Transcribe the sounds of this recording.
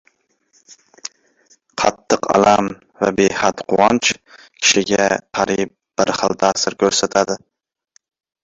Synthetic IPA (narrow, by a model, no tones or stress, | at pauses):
qʰɑ̰t̪ʰːɨqʰɑ̰lam | væbejhat̪qʰʊwɑnt͡ʃ | kʲʰɪ̥ʃɪɡʲæqʰɑɾip̚b̥ɪɾχɨlˠd̪æːsɪɾkʲʰɵɾsɛt̪ʰad̪ɪ